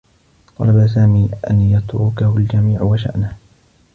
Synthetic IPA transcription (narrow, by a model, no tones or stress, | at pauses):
t̪ˤɑ̰labas̬aːmiːʔa̰njɑt̪ɾʊkahʊld͡ʒamiːʕwaʃa̰ʔnah